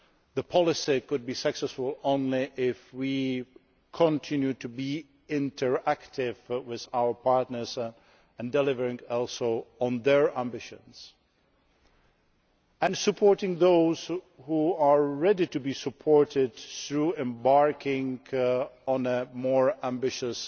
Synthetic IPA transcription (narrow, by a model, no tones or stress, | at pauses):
ðəpʰɑlˠɨsikʊd̚bisɨksɛsfəlˠõʊ̃nliʔɪfwi | kʰə̃ntʰɪ̃njʉtɨbi | ɪ̃ntʰə˞æktʰɪvwɪðaʊə˞pʰɑɹtⁿnə˞z | ɨ̃ndɛlɪvə˞ɪ̃ŋɔlˠsoʊə̃nðə˞æ̃mbɪʃɨ̰̃nz̥ | ɨ̃nsɨpʰɔɹtɪ̃ŋðoʊz̥ | huəɹɛditɨbisəpʰɔɹtɪd̚θɹuɛ̃mbɑɹkʰɪ̃ŋ | ə̃nəmɔɹæ̃mbɪʃɨs